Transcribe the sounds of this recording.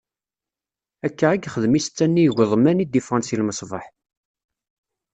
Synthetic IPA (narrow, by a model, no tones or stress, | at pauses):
ækːaæɡχəðmist͡sːænːiʝʷəðˤmænid̪ifʁɑnsilməsˤvɑħ